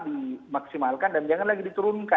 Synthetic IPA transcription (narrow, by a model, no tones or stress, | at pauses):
dimaksimalkandand͡ʒaŋanlaɡidit̪uɾʊnka